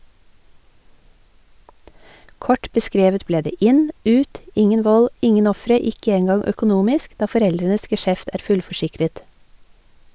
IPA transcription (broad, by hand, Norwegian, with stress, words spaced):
ˈkɔʈ bəˈskɾeːʋət ˈbleː ˈdeː ˈɪn ˈʉːt ˈɪŋən ˈʋɔl ˈɪŋən ˈɔfɾə ˈɪkə ˈeːnɡɑŋ œkʊˈnuːmɪsk ˈdɑː fɔˈɾɛldɾənəs ɡɛˈʃɛft ˈæːɾ ˈfʉlfɔˌʃɪkɾət